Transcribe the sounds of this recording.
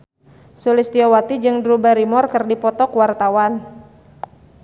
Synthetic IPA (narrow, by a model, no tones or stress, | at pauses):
sulist̪iɔwat̪id͡ʒɨŋdɾubaɾimɔrkɨrdipɔt̪ɔkuwart̪awan